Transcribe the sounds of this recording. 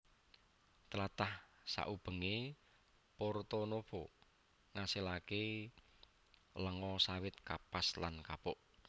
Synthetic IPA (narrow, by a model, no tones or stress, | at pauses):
t̪lat̪ahsa̰ʔub̥ə̤ŋe | port̪onob̥ɔ | ŋaselake | ləŋɔsawɪt̪kapaslankapɔʔ